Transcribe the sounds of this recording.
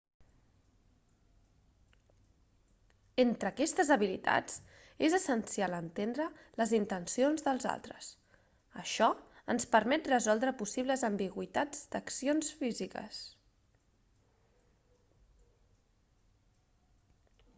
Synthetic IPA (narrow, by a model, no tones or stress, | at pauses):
ent̪ɾəːkɛst̪əzəβilit̪a̰d͡z | ezəsənsialənt̪end̪ɾələzint̪ənsionzðəlˠza̰lˠt̪ɾəs | əʃɔənspəɾmɛt̪rəzɔlˠd̪ɾəpusiβləzəmbiɣwit̪ad͡zd̪̥əksionsfizikə̰s